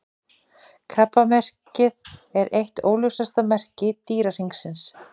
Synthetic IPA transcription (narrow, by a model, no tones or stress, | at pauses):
kʰapːamɛr̥cɪðɛɾʔejht̪oːwljowsast̪amɛr̥cɪt̪iːɾar̥iŋksɪns